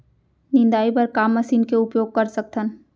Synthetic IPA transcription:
nɪ̃nd̪aːipəɾkaːmːəsiːnkeʊpjoːɡ̚kəɾsək̚t̪ʰən

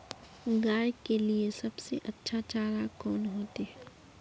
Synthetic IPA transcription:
ɡaːjkeliesɐbseʔɐtːʃʰat͡ʃaːɾakɔːnɦoːt̪eɦɛː

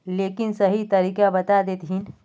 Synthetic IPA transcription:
leːkɪnsɐɦit̪ɐɾiːkabɐt̪ad̪eːt̪ɦin

